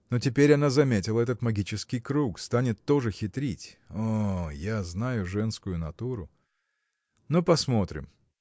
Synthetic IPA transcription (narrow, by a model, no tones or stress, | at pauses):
no̞tʲɪpʲeɾʲɐnazɐmʲetʲɪlˠəɛt̪ət̪mɐɡʲit͡ɕɪskʲɪjkɾukst̪anʲɪt̪ːo̞ʐɨxʲɪt̪ɾʲitʲojaznajʊʐɛnskʊjʊnɐt̪uɾʊ | nopɐsmo̞t̪ɾʲɪ̰m